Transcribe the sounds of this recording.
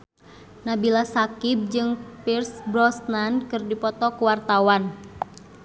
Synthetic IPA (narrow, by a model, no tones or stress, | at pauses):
nabilasakib̚d͡ʒɨŋpirsbɾɔsnankɨrdipɔt̪ɔkuwart̪awan